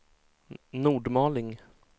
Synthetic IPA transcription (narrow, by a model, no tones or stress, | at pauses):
nuːɖmɑːlɪŋ